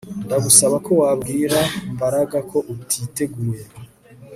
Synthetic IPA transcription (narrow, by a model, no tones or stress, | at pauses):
ndaɡusaβako̞waːbɡiːɾambaɾaɡakʰo̞ʔutʰiːte̞ɡuːje